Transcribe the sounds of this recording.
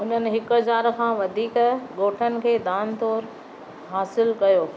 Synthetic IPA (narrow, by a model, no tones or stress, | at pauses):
ʊn̤ənɪ̆ɦɪkɐzaːɾkʰãːʋɐd̪ʱiːkɠoːʈʰənɪ̆kʰeːd̪aːnt̪oːɾ | ɦaːsɪlkɐjoː